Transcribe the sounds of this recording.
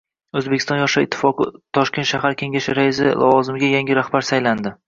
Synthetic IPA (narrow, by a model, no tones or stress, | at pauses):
ɵzbekʲʰɪst̪ɒnjɒʃaɪt̪ʰːɪ̥fɒqɨt̪ʰɒʃkʲet̪ʃaɦaɾkʲʰe̞ŋʲaʃɪɾaɪzɪlʔɒ̰vɒzɪmɪɡʲajaŋʲɪɾahbaɾsajland̪ɪ